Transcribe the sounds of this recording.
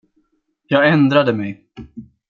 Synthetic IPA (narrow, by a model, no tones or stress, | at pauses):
jɑːɡɛnd̪ɾad̪əmɛj